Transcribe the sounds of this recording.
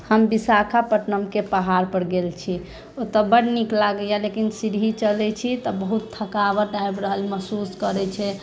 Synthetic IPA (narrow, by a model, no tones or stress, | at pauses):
həmbisakʰapəʈnəmkepəɦaɾpəɾɡelt͡ʃʰi | ot̪ɔbəɽniklaɡəjalekinsiɾɦit͡ʃəlɛt͡ʃʰit̪ɔbəɦut̪ːʰəkabəɾɖajbɾəɦəlməɦsuskəɾɛt͡ʃʰɛ